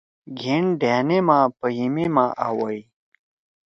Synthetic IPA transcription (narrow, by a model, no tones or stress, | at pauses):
ɡʱeɳɖʱaːnemãːpəɦimemãːʔawɐj